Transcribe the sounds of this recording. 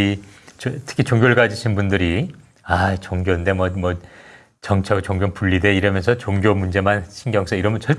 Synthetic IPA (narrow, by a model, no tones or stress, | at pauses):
it͡ɕtʰɯ̥kʰit͡ɕoŋɡʲjoɭɡad͡ʑiɕʰinbundɯɾi | ait͡ɕoŋɡjonde̞mwʌmʌ | t͡ɕʌŋt͡ɕʰaɡt͡ɕoŋɡjonpuʎːide̞iɾʌmjʌnsʰʌt͡ɕoŋɡjomund͡ʑe̞manɕʰinɡjʌŋsʰʌiɾʌmʌnt͡ɕʰʌɭ